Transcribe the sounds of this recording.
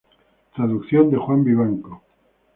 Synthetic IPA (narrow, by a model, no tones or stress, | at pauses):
t̪ɾaðukθjond̪exwambiβaŋko